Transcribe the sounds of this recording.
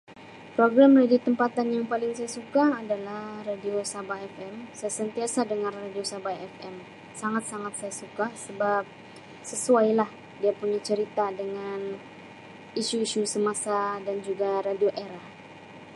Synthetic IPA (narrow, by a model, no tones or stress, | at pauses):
pɾoɡɾamradit̪əmpat̪anjaŋpalɪŋsajasukaːdalahhradiosabaɛfɛmsajasənt̪iasadəŋarradiosabaɛfɛm | saŋat̪̚saŋat̪̚sajasukasəbap̚ | səsuajlah | diapuɲat͡ʃəɾit̪adəŋan | iʃuiʃusəmasadand͡ʒuɡaɾadioʔeɾah